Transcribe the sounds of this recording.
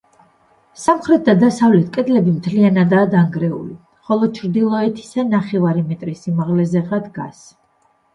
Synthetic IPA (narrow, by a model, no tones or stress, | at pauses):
samχɾɛt̪̚ʰd̪ad̪asavlɛt̪̚ʰkʼɛd̪lɛbimt̪ʰlianad̪aːd̪aŋɡɾɛṵli | χɔlˠɔt͡ʃʰɾd̪ilˠɔɛt̪ʰi̥sanaχɛvaɾimɛt̪ʼɾisimaʁlɛzɛʁɾad̪ɡa̰s